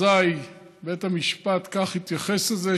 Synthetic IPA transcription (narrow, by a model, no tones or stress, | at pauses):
aj | bet̪hamiʃpat̪kaχhit̪jaχeseze